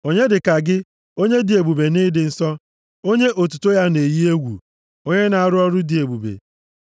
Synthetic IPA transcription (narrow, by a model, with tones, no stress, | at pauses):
o˦ɲe˦dɪ˨ka˨ɡɪ˦ | o˦ɲe˦dɪ˨e˨bu˨be˨nɪ˦dɪ˨n̩˦sɔ˦ | o˦ɲe˦ʔo˨tu̥˨to˦ja˦ne˨ji˦e˦ɡʷṵ˨ | o˦ɲe˦na˨a˨ɾʊ˦ɔ˦ɾʊ˦dɪ˨e˨bu˨bḛ˨